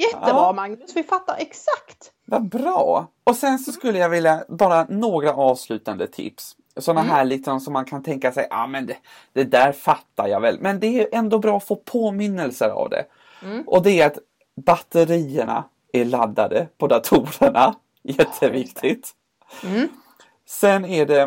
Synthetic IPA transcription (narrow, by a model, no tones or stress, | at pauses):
jɛːəbɾɑːmaŋnɵsvɪfat̪ːaɾʔɛksakt̪ | vabɾɑːɔsɛnsɔskɵlːəjaɡvɪljabɑːɾanoːɡɾaʔɑːvslʉ̟ːt̪and̪ət̪ʰɪ̰ps | sɔnːaɦæːɭɪk̪sɔmsɔmːankʰant̪ʰɛŋkasɛjʔɑ̰mɛnd̪ɛ | d̪̥ɛd̪æːɾfat̪ːaɾja̰vɛlmɛnd̪ɛæʔɛnd̪oːbɾɑːɔfoːpʰoːmɪnːəlsəɾa̰vd̪ɛ̰ | ʔɔd̪ɛːɾat̪ | bat̪ːəɾiːəɳa̰ | æɾɭad̪ːad̪əpʰɔd̪at̪ʰuːɾəɳa | jɛt̪ʰːəvɪkt̪ʰɪt̪ | sɛnæɖɛ